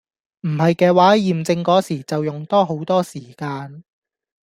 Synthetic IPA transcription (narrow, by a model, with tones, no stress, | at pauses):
m̩˨˩hɐ˨jkɛː˧waː˨˥jiː˨mt͡sɪ˧ŋkɔː˨˥siː˨˩t͡sɐ˨wjʊ˨˩ŋt̪ɔː˥ɦo˨˥wt̪ɔː˥siː˨˩kaː˧n